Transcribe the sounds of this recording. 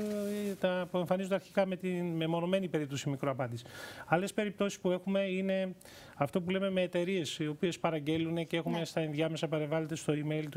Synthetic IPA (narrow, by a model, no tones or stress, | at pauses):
t̪ɐpue̞ɱfɐnizund̪ɐɾçi̥kɐme̞t̪inmemo̞no̞me̞nipe̞ɾip̚t̪o̞simikɾoɐpɐnd̪isi̥ɐle̞spe̞ɾip̚t̪o̞si̥spue̞xume̞ine̞ | ɐft̪o̞pule̞me̞me̞ːt̪e̞ɾie̞sio̞pie̞spɐɾɐɲɟe̞lunecee̞xume̞st̪ɐinðʝɐme̞sɐpɐɾeɱvɐle̞t̪e̞st̪o̞ime̞ilt̪u